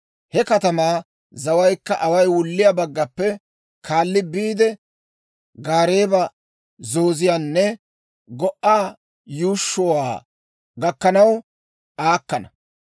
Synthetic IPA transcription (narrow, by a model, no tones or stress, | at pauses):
hɛkɐt̪ɐmaː | zɐwɐjkːɐʔɐwɐjwʊlːɪjabɐɡːɐpːɛ | kʰaːlːɪbiːd̪ɛ | ɡaːɾeːbɐ | zo̞ːzɪjaːnːɛ | ɡɔʔaː | juːʃːɔwaː | ɡɐkːɐnɐw | ʔaːkːɐnɐ